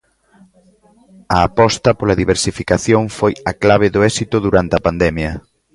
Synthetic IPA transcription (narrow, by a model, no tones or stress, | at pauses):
ɐːpɔst̪ɐpolɐðiβeɾsifikaθjoŋfojɐklaβ̞eðoɛsit̪ʊðuɾant̪eɐpand̪ɛmjɐ